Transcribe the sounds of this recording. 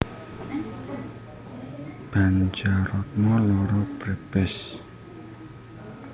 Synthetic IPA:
b̥and͡ʒarɔt̪̚ŋɔlɔɾɔpɾɛb̥ɛs

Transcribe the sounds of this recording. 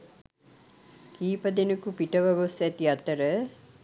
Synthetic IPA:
kiːpəd̪enəkupiʈəʋɐʋosæt̪iat̪əɾə

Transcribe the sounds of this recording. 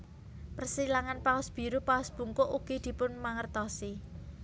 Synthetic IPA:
pərsilaŋanpaʊsb̥i̤ɾupaʊsb̥uŋkʊʔuɡ̥id̪̥i̤pʊnmaŋərt̪ɔsi

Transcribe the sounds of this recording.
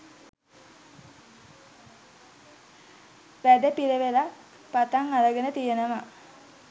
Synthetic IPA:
ʋæd̪epiɾeʋela | pat̪aŋaləɡenət̪ijenəʋa

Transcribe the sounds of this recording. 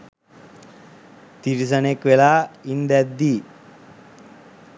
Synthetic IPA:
t̪iɾis̬anekʋelaːind̪æd̪ːiː

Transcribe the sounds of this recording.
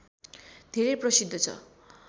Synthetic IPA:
d̪ʱeɾeprʌsid̪ʱːʌt͡sʰʌ̰

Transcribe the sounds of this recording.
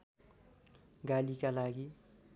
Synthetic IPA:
ɡalikalaɡi

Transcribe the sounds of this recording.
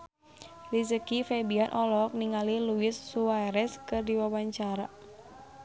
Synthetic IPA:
lisəkifɛbianʔɔlɔk̚niŋaliluɪsːuajɾɛskɨrdiwawaɲt͡ʃaɾa̰

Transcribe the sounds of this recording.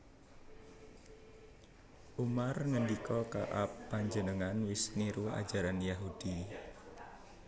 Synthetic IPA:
ʔumarŋəndikɔka̰ʔapːaɲd͡ʒənəŋanwɪsniɾua̰̥d͡ʒ̥aɾanjaɦud̥i

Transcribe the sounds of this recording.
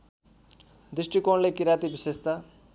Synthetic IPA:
d̪isʈikoɳlekiɾat̪ibisest̪a

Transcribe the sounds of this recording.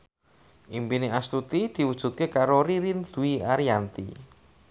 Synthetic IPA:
ʔimpineast̪ut̪id̪̥i̤wud̥ʒ̥ṳt̪̚kekaɾoɾiɾind̪̥ṳiaɾiant̪ḭ

